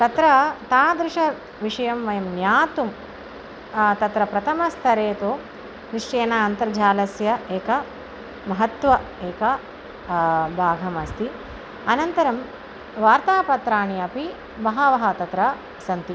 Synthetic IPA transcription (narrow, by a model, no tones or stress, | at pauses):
t̪ɐt̪ɾɐt̪aːd̪ɾɪʂɐ | ʋiʂɐjɐmʋɐjɐmnjaːt̪um | t̪ɐt̪ɾɐpɾɐt̪ʰɐmɐst̪ʰɐɾeːt̪oː | kɾiʂeːnaɐnt̪ɐɾd͡ʒʱaːlɐsjɐeːkɐ | mɐɦɐt̪ʋɐ | eːkɐ | bʱaːɡʱɐmɐst̪ʰi | ɐnɐnt̪ɐɾɐm | ʋaːɾt̪aːpɐt̪ɾaːɳiɐpi | mɐɦɐʋɐɦɐt̪ɐt̪ɾɐ | ɐsɐnt̪i